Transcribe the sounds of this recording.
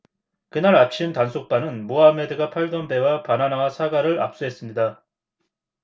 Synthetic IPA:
kɯnaɾat͡ɕʰimtansʰok̚p͈anɯnmoɦame̞dɯɡapʰaɭɡʌnbe̞wapananawasʰaɡaɾɯɭa̰p̚s͈uɦe̞s͈ɯmɲida

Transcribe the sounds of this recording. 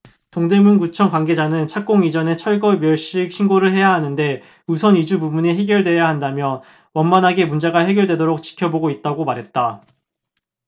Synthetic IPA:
toŋde̞munɡut͡ɕʰʌŋkwanɡe̞d͡ʑanɯnt͡ɕʰak͈oŋid͡ʑʌne̞t͡ɕʰʌɭɡʌmjʌɭɕ͈ik̚ɕʰinɡoɾɯɭɦe̞jaɦanɯnde̞ | usʰʌnid͡ʑububuɲiɦe̞ɡjʌɭdwe̞jahandamjʌ | wʌnmanɦaɡe̞mund͡ʑaɡaɦe̞ɡjʌɭdwe̞doɾok̚t͡ɕ͈i̥kʰjʌboɡoit̚t͈aɡomaɾɦe̞t̚t͈a

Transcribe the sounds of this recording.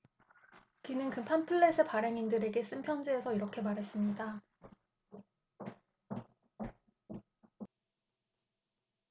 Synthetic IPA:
kinɯnkɯpʰanpʰɯɭːesʰɯpaɾeŋindɯɾe̞ɡe̞s͈ɯmpʰjʌnd͡ʑiesʰʌiɾʌkʰemaɾɦe̞s͈ɯmɲida

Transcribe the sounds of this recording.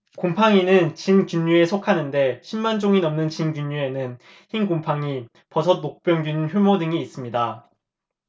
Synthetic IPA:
kompʰaŋinɯnt͡ɕinkjuɲːue̞sʰokʰanɯnde̞ɕʰimːand͡ʑoŋinʌmnɯnt͡ɕinkjuɲːue̞nɯn | çinkompʰaŋi | pʌsʰʌnok̚p͈jʌŋdɥinnçjumodɯŋiːs͈ɯmɲida

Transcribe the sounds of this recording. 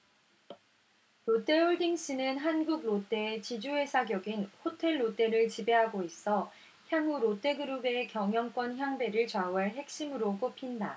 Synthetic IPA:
ɾot͈e̞oɭdiŋɕ͈inɯnɦanɡuɡ̚ɾot͈e̞t͡ɕid͡ʑuwe̞sʰaɡjʌɡinhotʰe̞ɭːot͈e̞ɾɯɭt͡ɕibe̞ɦaɡois͈ʌ | çjaŋuɾot͈e̞ɡɯɾube̞kjʌŋjʌŋk͈wʌnçjaŋbe̞ɾɯɭt͡ɕwauaɭɦe̞k̚ɕ͈imɯɾok͈opʰinda

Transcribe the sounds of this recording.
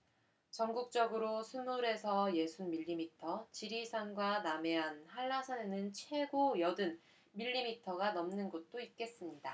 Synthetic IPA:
t͡ɕʌŋɡuk̚t͡ɕ͈ʌɡɯɾosʰunmuɾe̞sʰʌje̞sʰunmiʎːimitʰʌt͡ɕiɾisʰanɡwaname̞ɦanhaɭːasʰanenɯnt͡ɕʰwe̞ɡojʌdɯn | miʎːimitʰʌɡanʌmnɯnɡot̚t͈oit̚k͈e̞s͈ɯmɲida

